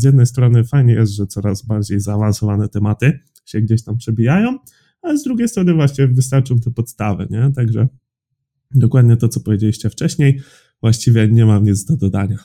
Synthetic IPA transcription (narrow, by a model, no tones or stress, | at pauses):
zjɛd̪nɛjst̪ɾɔnɘfajɲɛjɛst̪ʐɛt̪sɔɾazbaɾd͡ʑejzaːvansɔvanɛt̪ɛmat̪ɘ | ɕɛɡd͡ʑeɕt̪ampʂɛbʲijajɔ̃w̃ | alɛzd̪ɾuɡʲejst̪ɾɔnɘvwaɕt͡ɕɛvɘst̪aɾt͡ʂɔ̃w̃t̪ɛpɔt̪st̪avɛ̰ɲɛt̪aɡʐɛ | d̪ɔkwad̪ɲɛt̪ɔt̪sɔpɔvʲjed͡ʑelʲiɕt͡ɕɛft͡ʂɛɕɲej | vwaɕt͡ɕivʲjɛɲɛmamɲid̪zd̪ɔd̪ad̪a̰ɲa